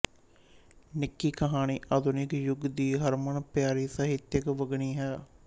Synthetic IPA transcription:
nɪkːiːkʰəɦaːniːʔaːd̪ʊnɪkjʊɡd̪iːɦəɾməɳpjaːɾiːsəɦɪt̪jəkʋəɡɳiːɦɛː

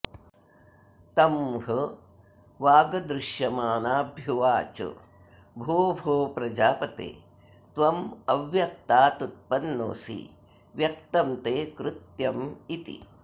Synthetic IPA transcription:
t̪ɐmɦɐ | ʋaːɡɐd̪ɾɪʃjɐmaːnaːbʱjuʋaːt͡ʃɐ̰ | bʱoːbʱoːpɾɐd͡ʒaːpɐt̪ḛː | t̪ʋɐmɐʋjɐk̚t̪aːt̪ut̪̚pɐnːo̰ːsḭ | ʋjɐk̚t̪ɐmt̪eːkɾɪt̪jɐmit̪ḭ

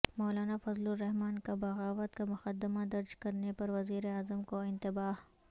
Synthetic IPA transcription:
mɔːlaːnafɐzluɾɛɦmaːnkabɐɣaːʋət̪kamʊxɐd̪ɪmad̪ɐɾd͡ʒkɐɾnepɐɾʋɐziːɾeaːzəmkoɪ̃nt̪ɪbaːh

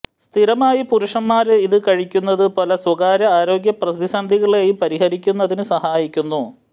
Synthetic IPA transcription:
st̪ʰiɾɐmaːjipuɾuʂɐmːaːɾiðɨkɐɻikʲːunːɐðɨpɐlɐswɐɣaːɾɐaːɾo̞ːɡjɐprɐsd̪isɐnd̪ʱiɣɐɭeːjupɐɾiɦɐɾikʲːunːɐðinɨsɐhaːjikʲːunːu

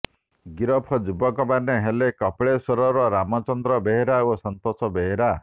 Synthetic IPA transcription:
ɡiɾɔpʰɔd͡ʒubɔkɔbaneɦelekɔpɭesɔɾɔɾɔɾamɔt͡ʃɔnd̪ɾɔbeɦeɾaosɔnt̪ɔsɔbeɦeɾa

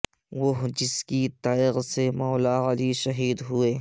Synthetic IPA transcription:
ʋoɦd͡ʒɪskit̪aːɪɣsemɔːlaːɐliʃɐɦiːd̪ɦueː

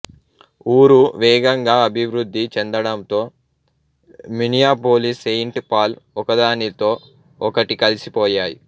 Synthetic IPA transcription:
uːɾuʋɛːɡɐŋɡaːɐbʱiʋɾud̪ʱːit͡ʃɛnd̪ɐɽɐmt̪o̞ː | minijaːpoːlisejɳʈpaːlɔkɐd̪aːnit̪o̞ː | ɔkɐʈikɐlisipɔːjaːjḭ

